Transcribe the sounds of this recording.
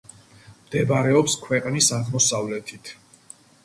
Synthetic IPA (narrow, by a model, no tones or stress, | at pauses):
md̪̥ɛbaɾɛɔpskʰwɛqʼnisaʁmɔsavlɛt̪ʰit̪ʰ